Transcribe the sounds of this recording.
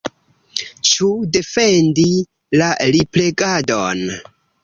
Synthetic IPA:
t͡ʃude̞fe̞ndi | laliple̞ɡadon

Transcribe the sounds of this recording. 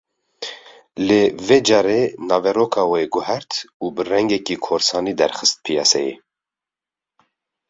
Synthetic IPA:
leved͡ʒɑːɾenɑːvɛɾoːkʰɑːweɡʊɦɛɾt̪ubɨrɛŋɡɛkiːkʰoːɾsɑːniːd̪ɛɾxɨst̪̚pʰijɑ̰ːsɛ̰jḛ

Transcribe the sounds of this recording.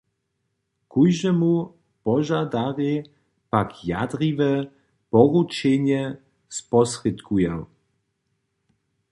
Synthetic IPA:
kujʒɛmu | pɔʒad̪aʁɪ | pakja̰d̪rivɛ | pɔʁut͡ʃɛɲɛ | spɔsrɪt̪kʰuja

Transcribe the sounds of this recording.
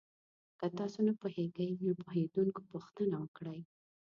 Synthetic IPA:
kət̪ɑsonapoheɡajnopoɦed̪unko̥poxt̪ənawəkɽəj

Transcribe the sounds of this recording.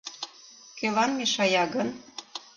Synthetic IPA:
køβɑnmeʃɑjɑɡɤ̆n

